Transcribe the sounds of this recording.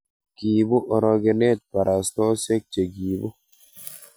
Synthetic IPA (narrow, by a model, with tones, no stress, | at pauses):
ki˨bu˦ʔɔ˨ɾɔ˧ɡe˨ne˦˨t̪̚pa˨ɾʔa˨st̪ɔ˦se˦k̚t͡ʃe˨ɡiː˨bo˦